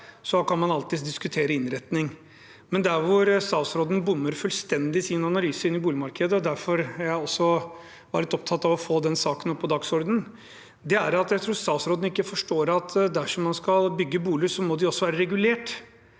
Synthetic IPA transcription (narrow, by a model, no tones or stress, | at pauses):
sɔkʰɑnmɑnɑlt̪ɪd̪d̪ɪskʉt̪ʰeːɾəɪnɾɛt̪nɪŋ | mɛnd̪æɾʋʊɾst̪ɑːsɾoːd̪n̩bʊmːəɾfʉlst̪ɛnd̪ɪsiːnɑnɑlyːsəɪnːɪbuːlɪmɑɾkʰəd̪əɔd̪æɾfɔɾjæɪɔsːɔ | ʋɑɾɭlɪt̪ɔp̚t̪ʰɑt̪ːɑʋɔfoːd̪ɛnsɑːkənɔpʰːɔd̪ɑɡsɔɾd̪ən̩ | d̪ɛæɾɑt̪jæɪt̪ʰɾuːɾst̪ɑːsɾoːd̪n̩ɪkːəfɔʂʈoːɾɑt̪d̪æʂɔmːɑnskɑlbʏɡːəbuːlɪsɔmɔd̪ɪɔsːɔʋæːɾəɾɛɡʉleːʈ